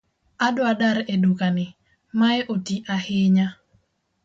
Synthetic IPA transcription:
adwadaɾedukanɪ | maɛʔotiʔahɪɲa

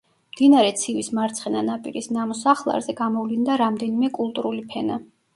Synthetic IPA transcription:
md̪̥inaɾɛt̪sʰivismaɾt̪sʰχɛnanapʼḭɾisnamɔsaχlˠa̰ɾzɛɡamɔvlind̪aɾamd̪ɛnimɛkʼulˠt̪ʼuɾulipʰɛna

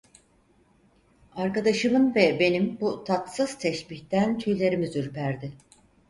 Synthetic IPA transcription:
aɾkad̪aʃɯmɯnvɛbe̞nimbut̪ʰat̪sɯz̥t̪ʰɛʃbiçt̪ænt̪ʰyjlʲe̞ɾimizyɾpʰæɾd̪ɪ

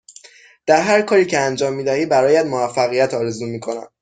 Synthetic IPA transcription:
d̪̥æɾɦæɾkʰɒːɾiːcʰeænd͡ʒɒːmːiːd̪æhiːbæɾɒːjæd̪movæfːæɣijæt̪ʰɒːɾe̞zuːmiːkʰo̞næ̰n̥

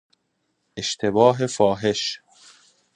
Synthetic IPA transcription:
ʔe̞ʃt̪ʰe̞bɒːɦe̞fɒːɦe̞ʃ

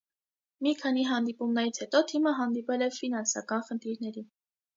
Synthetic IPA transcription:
mikʰɑniɦɑnd̪ipumnɛɾit͡sʰhɛt̪ɔt̪ʰiməɦɑnd̪ipɛlɛfinɑnsɑkɑnχənt̪ʰiɾnɛɾi

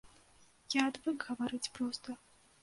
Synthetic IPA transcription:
jaːd̪vɨkɣɐvaɾɨt͡sʲpɾɔst̪ɐ

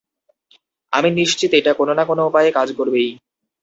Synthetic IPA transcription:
a̰miniʃt͡ɕit̪eʈakononakonoupajekad͡ʑkoɾbej

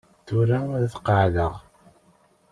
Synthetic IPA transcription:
θuɾaðθqəʕðəʁ

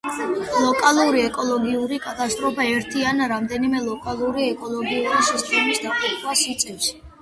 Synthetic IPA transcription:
lˠɔkʼalˠuɾiɛkʼɔlˠɔɡiuɾikʼat̪ʼast̪ʼɾɔpʰaɛɾt̪ʰianɾamd̪ɛnimɛlˠɔkʼalˠuɾiɛkʼɔlˠɔɡiuɾisist̪ʼɛmisd̪apʼit̪ʼwasit̪sʼiʃi̥

